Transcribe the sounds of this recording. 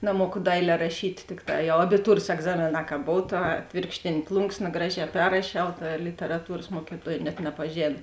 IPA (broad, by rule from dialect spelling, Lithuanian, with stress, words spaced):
nɐˈmuɔkʊ ˈdɐɪlʲɛː rɐˈʃʲiːtʲ ˈtʲɪkˌtɑː jɛʊ ɐbʲɪˈtuːrɐs ɛɡˈzɑːmʲeːˌnɑː kɐ ˈboːw ˈtɐ ˈɑːtʲʋʲeːrkʃʲtʲeːnʲeː ˈplˠʊŋksnɐ ˈɡrɑːˌʒʲɛː ˈpʲɛrrɐʃʲɛʊ ˈtɐ lʲɪtʲɛrɐˈtuːrɐs ˈmuɔkʲɪˌtuɔj nʲɛt nʲɛpɐˈʒʲeːn